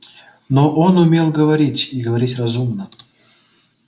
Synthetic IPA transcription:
noʔonʊmʲelˠɡəvɐɾʲitʲiɡəvɐɾʲitʲrɐzumnə

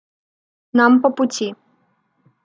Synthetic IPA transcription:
nampɔpʊtʲi

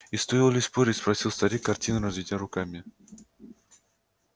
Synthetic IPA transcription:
ist̪oɪlˠlʲɪspoɾʲɪtʲspɾɐsʲilˠst̪ɐɾʲikɐrtʲinɨɾɐzvitʲɪjəɾʊkamʲɪ

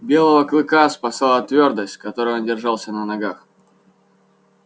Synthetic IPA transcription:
bʲe̞lˠəvəklˠɨkaspɐsalˠət̪vʲo̞rd̪əsʲtʲkɐt̪o̞ɾɨjondʲɪrʐɑlˠsʲənənɐɡax

